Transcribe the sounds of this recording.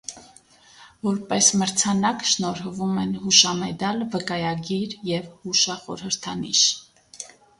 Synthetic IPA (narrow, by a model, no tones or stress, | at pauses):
vɔɾpɛsməɾt͡sʰɑnɑkʃnɔɾvumɛnhuʃɑmɛd̪ɑlvəkɑjɑɡiɾjɛvhuʃɑχɔ̰ɾhəɾt̪ʰɑnḭʃ